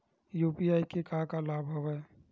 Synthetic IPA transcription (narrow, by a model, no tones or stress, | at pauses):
juːpiaːikekakalaːbʱɦoɡaɛ